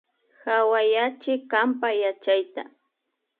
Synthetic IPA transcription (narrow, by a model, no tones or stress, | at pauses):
xawajat͡ʃɪkampajat͡ʃajt̪a̰